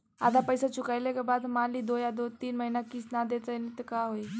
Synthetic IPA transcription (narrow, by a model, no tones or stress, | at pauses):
a̰t̪̬apəjsat͡ɕukajlekabad̪maliːd̪ojad̪ot̪iːnməɦinakiːsnad̪et͡s̪ənit̪əkaɦoj